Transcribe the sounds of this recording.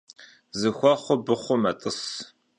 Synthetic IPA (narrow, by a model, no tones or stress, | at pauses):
zɨxʷɑχʷʊbɨχʷʊmɐtʼɨs